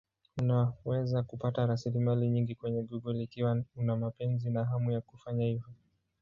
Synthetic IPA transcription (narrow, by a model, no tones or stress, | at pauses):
unawɛzakupataɾasilimaliɲiŋɡikwɛɲɛɡɔɡɔliːkiwaunamapɛnzinaɦamujakufaɲahivɔ